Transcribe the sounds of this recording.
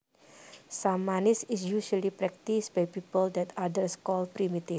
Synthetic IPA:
samːanisisjuʃalipɾɛk̚t̪isbajpipəldɛt̪adəɾskɔlpɾimit̪i

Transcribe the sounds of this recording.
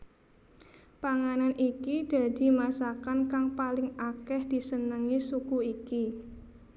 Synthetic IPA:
paŋananʔikid̥a̤d̥i̤masakankaŋpalɪŋakɛhd̥i̤sənəŋisukuiki

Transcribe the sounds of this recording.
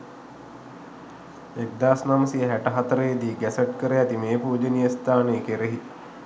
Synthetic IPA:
ek̚d̪aːsnamsijəɦæʈəɦat̪əɾəjed̪iːɡæsəʈ̚kəɾəjæt̪imeːpuːd͡ʒənijəst̪aːneːkeɾeɦit̪

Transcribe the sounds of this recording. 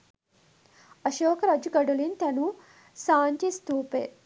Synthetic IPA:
ɐʃoːkɐɾɐd͡ʒuɡɐɖulint̪ɛnuː | saːnʈist̪uːpḛ

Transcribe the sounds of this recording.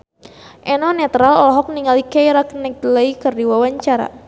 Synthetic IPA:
ʔɛnɔnɛt̪ɾalɔlɔɦɔk̚niŋalikɛjɾaknɛk̚ləikərdiwawaɲt͡ʃaɾa̰

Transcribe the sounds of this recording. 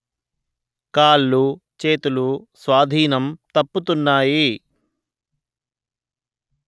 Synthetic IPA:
kaːlːut͡ʃeːt̪ulusʋaːd̪ʱiːnɐmt̪ɐpːut̪unːaːji

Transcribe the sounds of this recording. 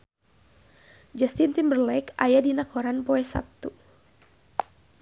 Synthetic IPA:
d͡ʒast̪int̪imbərlɛkajadinakʰɔɾanpɔɛsa̰p̚t̪u

